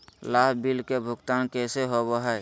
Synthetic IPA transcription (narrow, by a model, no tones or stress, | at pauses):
laɦbilkebʱʊɡt̪aːnkɛseɦoboɦɛj